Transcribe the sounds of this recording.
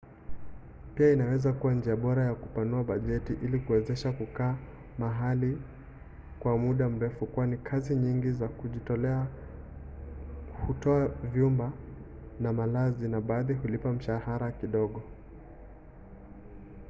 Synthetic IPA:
piainawɛzakuwand͡ʒiaɓɔɾajakupanuaɓaʄɛtiʔilikuwɛzɛʃakukaː | maɦali | kwamuɗam̩ɾɛfukuwanikʰaziɲiŋɡizakuʄitɔlɛa | hutɔavjumba | namalazinaɓaːðihulipam̩ʃahaɾakiɗɔɠɔ

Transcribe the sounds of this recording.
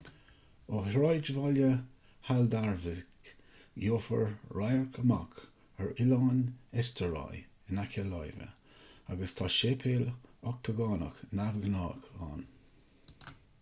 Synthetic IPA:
ohɹajd͡ʒəvɔljə | hald̪aɹvɪk | joːfə̰ɹɹajəɹkʰəma̰k | əɹɪlɑːnɛst̪əɹa̰j | ɪnakʰəlajvə̰ | aɡəst̪ʰaːʃepʰeːlɔk̚t̪ʰəɡɑːnə̰knavɡnɑːɡɑ̰ːn

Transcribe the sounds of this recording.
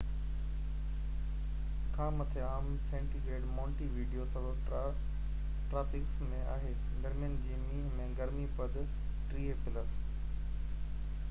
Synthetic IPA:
kʰãːmɐt̪ʰeaːm | sẽːɳʈiɾeːɖmɔ̃ːɳʈiʋiːɖijosɐbəb | ʈɾaːpʰɪksmẽaːɦeː | ɡɐɾmijənɪ̆d͡ʑiːmĩːɦmẽːɡɐɾmipɐd̪ | ʈɾiːepɪləɾ

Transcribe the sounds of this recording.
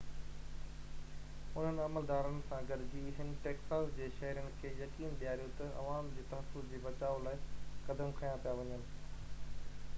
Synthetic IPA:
ʊn̤ənɪ̆ɐməld̪aːɾənɪ̆sãɡɐɖɪd͡ʑiɦənɪ̆ʈeːksaːsd͡ʑeːʃɐɦɪɾənɪ̆kʰeːjɐkiːnd̪ijaːɾijõt̪ɐʔɐ̰ʋaːmd͡ʑeːt̪ɐɦəfʊsd͡ʑeːbɐt͡ɕaːʋolaːɪkɐd̪əmkʰɐjãpijaʋɐɲənɪ̆

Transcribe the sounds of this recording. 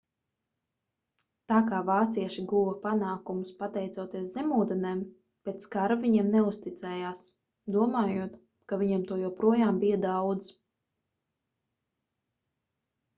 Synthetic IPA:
t̪aːkaːvaːt̪siɛʃiɡuwɐpanaːkumuspat̪ɛjt̪suɔt̪iɛszɛmuːd̪ɛnɛːm | pɛːt̪skaɾaviɲɛɛmnɛust̪it̪sɛːjaːs | d̪uɔmaːjuɔt̪ | kaviɲamt̪uɔjawpɾuɔjaːmbijad̪awd̪z

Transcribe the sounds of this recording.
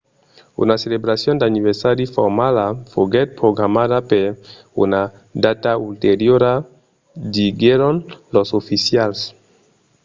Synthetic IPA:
ṵnaselebɾasjond̪aniβeɾsaɾjufoɾmalafoɡɛt̪̚pɾoɡɾamaðapeɾ | ṵna | d̪at̪ault̪eɾjoɾa | d̪iɡeɾonlosofisjals

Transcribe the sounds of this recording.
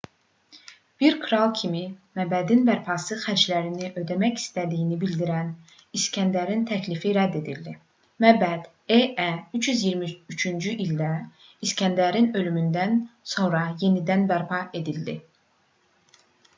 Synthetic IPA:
b̥iɾkʰɾɑlˠcʰimimæbæd̪inbæɾpʰɑsɯxæd͡ʒlæɾiniʔø̞d̪æmæçi̥st̪æd̪ijinibild̪iɾæn | iscʰænd̪æɾint̪ʰæclifiɾæd̪ːe̞d̪ild̪i | mæbæd̪̥ | eʔæyt͡ʃjyzjiɾmiyt͡ʃʰynd͡ʒyʔild̪æ | iscʰænd̪æɾinø̞lymynd̪ænso̞nɾɑje̞nid̪ænbæɾpʰɑe̞d̪ild̪ḭ

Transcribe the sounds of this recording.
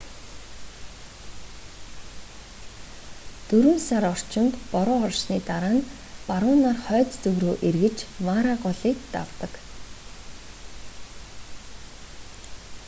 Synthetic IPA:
t̪ɵɾɵ̆nsaɾɔr̥t͡ɕɪ̆nt̪pɔɾʊːɔrʃniːt̪aɾaːn | paɾʊːnaːrχœːt͡st͡sɵɣɾoːʔerɣɘ̆t͡ɕmaɾaɢɔɮiːk̚t̪a̰wt̪ə̆k

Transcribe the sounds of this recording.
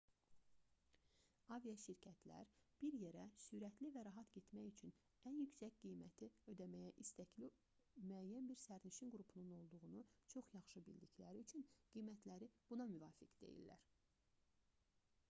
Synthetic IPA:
ɑvijɑʃiɾcʰæt̪ʰlæ̰ɾb̥iɾjeɾæsyɾæt̪ʰlivæɾɑɦɑt̪ɟe̞t̪mæjyt͡ʃʰyn | ænjycsæcɡijmæt̪ʰiød̪æmæjæʔist̪æcli | myæjːænbiɾsæɾniʃinɡɾupʰununo̞lˠd̪uʁunut͡ʃʰo̞χjɑχʃɯbḭld̪iclæɾiyt͡ʃʰynɡ̥ijmæt̪læɾib̥unɑmyvɑːfikd̪e̞̰jḭlːæ̰ɾ

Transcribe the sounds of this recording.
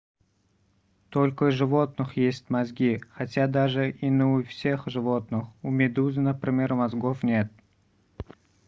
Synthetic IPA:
t̪olʲkəʐɨvo̞t̪̚nɨxjesʲtʲmazɡʲixatʲad̪aʐɨʔinəufsʲexʐɨvo̞t̪̚nɨxumʲɪd̪uzɨnəpɾʲɪmʲe̞ɾʊmazɡofnʲe̞t̪̚

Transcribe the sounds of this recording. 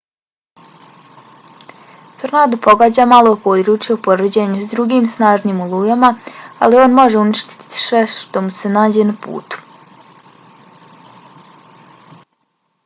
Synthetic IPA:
t̪srnaːd̪upo̞ɡaːd͡ʑaːmalˠoupoːd̪ɾuːt͡ʃjaupo̞ɾəd͡ʑeɲusd̪ɾuɡiːmsnaːʒniːmulˠuːjamaa̰lio̞ːnmo̞ʒeuniʃt̪i̥t̪i̥t̪i̥sʋeʃt̪o̞muse̞naːd͡ʑe̞napṵːt̪u̥

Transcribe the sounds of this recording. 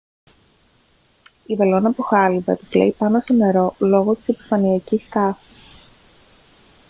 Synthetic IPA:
ivelo̞nɐpuxɐlivɐt̪izlḛipɐno̞st̪o̞ne̞ɾo̞lo̞ɣo̞t̪i̥sepi̥fɐniɐcist̪ɐsi̥s

